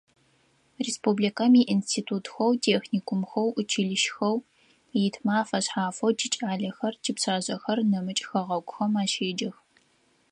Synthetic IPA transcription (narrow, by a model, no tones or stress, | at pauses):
reːspublikɐmiːʔinstʰiːtʰuːtxɐwtʰeːxniːkʷʰʊmxɐwʔʊt͡ʃʰɪɮɪʃxɐw | jɪtʰmaːfɐɕħaːfɐwtʰit͡ʃʼaːɮɐxɐrt͡ʃʰipɕaːʑɐxɐrnɐmɨt͡ʃʼxɐʁɐɡʷʼʊxɐmaːʃeːd͡ʒɐx